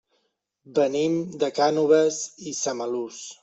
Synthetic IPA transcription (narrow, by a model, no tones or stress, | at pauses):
bənimd̪əkanuβəzisaməlus